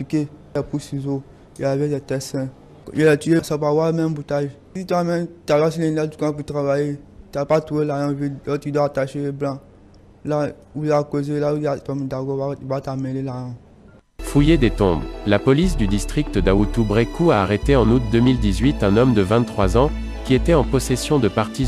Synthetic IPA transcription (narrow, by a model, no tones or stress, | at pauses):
fikeɛpusizo | jɛlavɛdɛt̪ɛsɛ̃ | jɛlɛt̪ijesapawalmɛ̃mbut̪aʒ | sit̪amɛ̃mt̪alas̬ilɛ̃dati̥kãput̪ɾavajet̪apatuelajɔ̃viɛt̪yd̪wataʃeeblã | la | ulakozelauakɔmd̪aɡɔvat̪amɛ̃lelajɔ̃ | fujed̪et̪ɔ̃blapɔlis̬d̪yd̪ist̪χikt̪əd̪aut̪ubʁekuaːʁet̪eɑ̃nut̪̚d̪əmild̪izɥit̪ɛ̃nɔmd̪əvɛ̃t̪t̪ːχwazɑ̃ | kʲiet̪ɛɑ̃pɔsesjɔ̃d̪əpaʁt̪i